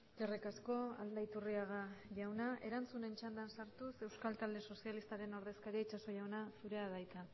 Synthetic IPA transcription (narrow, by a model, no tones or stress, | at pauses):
ʝerikasko̞a̰ld̪ait̪uriaɣ̞aʝawnaʔe̞ɾant͡sune̞nt͡ʃand̪ansaɾt̪use̞wskalt̪ald̪e̞so̞sialist̪aɾe̞no̞ɾðe̞skaɾieit͡ʃaso̞ʝawnasuɾe̞aðajt̪a